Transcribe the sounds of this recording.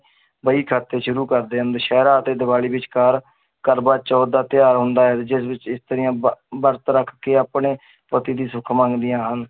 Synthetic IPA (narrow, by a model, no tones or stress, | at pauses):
bəiːkʰaːt̪ːeːʃʊɾuːkəɾd̪eːɦənd̪ʃɛːɾaːət̪eːd̪ɪbaːliːbɪt͡ʃkaːɾ | kəɾbaːt͡ʃɔːd̪aːt̪ɪjaːɾɦʊnd̪aːɦɛd͡ʒɪsbɪt͡ʃɪst̪əɾɪjãːbəɾt̪ɾəkʰkeːaːpɳeː | pət̪iːd̪iːsʊkʰmãːŋɡd̪ɪjãːɦən